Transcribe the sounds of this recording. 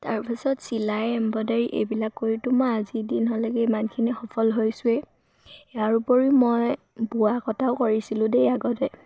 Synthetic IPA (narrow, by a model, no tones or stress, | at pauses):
taɹpɛsɔtsilajɛmbɔdaɹiʔḛjbilakːoɹitʊmaːzidinɦɔlɛkɛimankʰinixɔpʰɔlɦojsʊɛ | jjaɹupɔɹimɔj | bʊakɔtʰaʊkoɹisilʊ̃dejaɡɔtɛ